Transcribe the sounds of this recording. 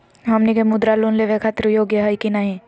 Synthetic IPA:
ɦɐmnikemʊd̪ɾalunleʋekʰat̪ɾəjoːɡjəɦɐjkinaɦẽ

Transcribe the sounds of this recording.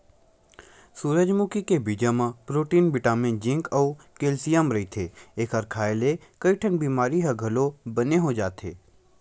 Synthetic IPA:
suːɾəd͡ʒmukikebid͡ʒamãpɾoːʈiːnbɪʈaːmɪ̃nd͡ʒɪ̃ŋkəː | keːlsijəmɾɐit̪ʰeeːkʰaɾkʰaːjle | kəiʈʰənbiːmaːɾiɦɐɡʱɐlobɐneɦod͡ʒaːt̪ʰḛː

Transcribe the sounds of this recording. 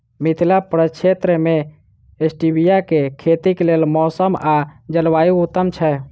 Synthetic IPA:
mit̪ʰilapɾət͡ʃʰet̪ɾəme | esʈibijakekʰet̪ikelelmɔsəmad͡ʒəlʋajuut̪ːəmt͡ʃʰɛ

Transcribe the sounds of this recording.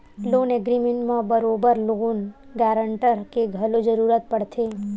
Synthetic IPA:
loːneɡɾimẽɳʈmãbəɾoːbəɾloːnɡɛːɾəɳʈəɾkeɡʱəlod͡ʒəɾuɾət̪̚pəɽt̪ʰe

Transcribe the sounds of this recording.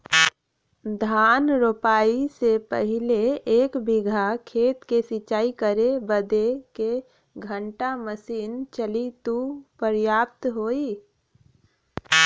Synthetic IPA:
d̪ʱaːnɾopaːisepə̰ɦɪleeːkbɪɡʱakʰeːt̪kesɪt͡ʃaːikəɾebəd̪eke | ɡʱə̃ɳʈaməsiːnt͡ʃəlit̪upəɾjaːp̚t̪ɦoːi

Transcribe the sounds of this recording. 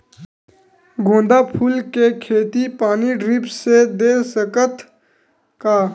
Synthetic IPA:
ɡʱõːnd̪apʰuːlkekʰeːt̪ipaːniɖɾɪpʰsed̪eːsəkət̪ʰ | kaː

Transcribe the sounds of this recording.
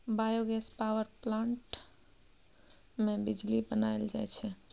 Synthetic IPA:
bajoɡɛspawəɾplãɳʈ | mẽbid͡ʒlibənaɪld͡ʒa̰jt͡ʃʰɛ

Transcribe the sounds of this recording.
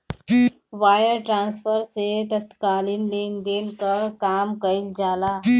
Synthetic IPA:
ʋaːjəɾʈɾãːnsfəɾset̪ət̪kaːlinɖend̪enkəkaːmkəild͡ʒaːlaː

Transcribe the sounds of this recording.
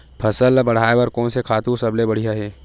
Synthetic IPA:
pʰɐsəlbɐɽ̤aːebɐɾkɔ̃ːnsekʰaːt̪ũːsɐblebɐɽ̤ijaɦɛː

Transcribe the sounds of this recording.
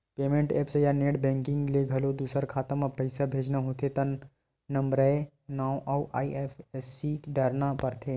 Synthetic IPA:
peːmẽɳʈeːpsejaneːɽbɛ̃ːŋkɪ̃ŋɡleɡʱɐlod̪uːsəɾkʰaːt̪ə̃mãpɐɪsabʱeːd͡ʒnaɦoːt̪ʰet̪ɐnː | ɐmbɾɛ | naːwʔawʔaːiefʰesikɖəɾnapəɾt̪ʰeː

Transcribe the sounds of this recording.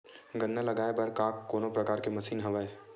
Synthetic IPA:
ɡɐnːalɐɡaːebɐɾkaːkːoːnopɾɐkaːɾkemɐsiːnɦɐʋae

